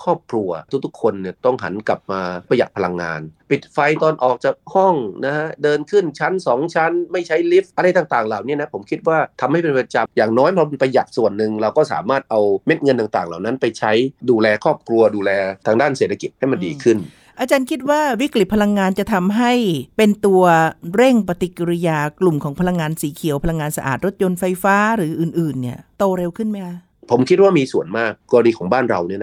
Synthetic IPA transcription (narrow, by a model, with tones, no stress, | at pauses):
kʰɔː˥˩p̚kʰɾu˧ɐt̪ʰu˦˥t̪ʰu˦˥kʰːo˧nːi˧˩t̪ɔ˥˩ŋɦa̰˩˦nkla˨˩p̚maː˧pa˧ja˨˩t̪̚pʰa˧la˧ŋːa̰ː˧npi˨˩t̪̚fa˧jt̪ɔː˧nʔɔː˨˩k̚t͡ɕa˨˩k̚hɔ˥˩ŋna˦˥hʰa˦˥dɤː˧nkʰɯ˥˩nt͡ɕʰa˦˥nsɔː˩˦ŋt͡ɕʰa˦˥nma˥˩jt͡ɕʰa˦˥jli˦˥p̚ʔa˧ɾa˧jt̪aː˧˩ŋt̪aː˨˩ŋlaː˨˩wni˦˥˨na˦˥pʰo˩˦mkʰi˦˥t̪̚waː˥˩t̪ʰa˧mha˥˩jpe˧npɾa˧t͡ɕa˧mjaː˨˩ŋnɔː˦˥jpʰɔ˧m˧npa˧ja˨˩t̪̚su˨˩ənːɯ˨ŋɾa˧wkɔː˥˩sa̰ː˩˦maː˥˩t̪̚ʔa˧wme˦˥t̪̚ŋɤ˧nt̪aː˨ŋt̪aː˨˩ŋlaː˨˩wna˦˥npa˧jt͡ɕʰa˦˥jduː˧lɛː˧kʰɔː˥˩p̚kʰɾu˧ɐduː˧lɛː˧t̪ʰaː˧ŋdaː˥˩nseː˨˩t̪ʰa˧ki˨˩t̪̚ha˥˩jma˧ndiː˧kʰɯ˥˩n | ʔaː˧t͡ɕaː˧nkʰi˦˥t̪̚waː˥˩wi˦˥kli˨˩pʰa˧la˧ŋːaː˧nt͡ɕa˨˩t̪ʰa˧mɦa˥˩jpe˧nt̪u˧ɐɾe˥˩ŋpa˧t̪i˨˩kːa˧ɾi˧jaː˧klu˨˩mkʰɔː˩˦ŋpʰa˧la˧ŋːaː˧nsiː˩˦kʰi˨˩˦əwpʰla˧ŋːaː˧nsa˧ʔa̰ː˨˩t̪̚ɾo˦˥t̪̚jo˧nfa˧jfaː˦˥ɾɯː˩˦ʔɯː˨˩nʔɯː˨˩nːi˦˥˩ɐt̪oː˧ɾe˧wkʰɯ˥˩nma˦˥jkʰa˧˥ | pʰo˩˦mkʰi˦˥t̪̚waː˥˩miː˧su˨˩ənmaː˥˩k̚ːɔː˧diː˧kʰɔː˩˦ŋbaː˥˩nɾa˧wnɯ˥˩˨n˦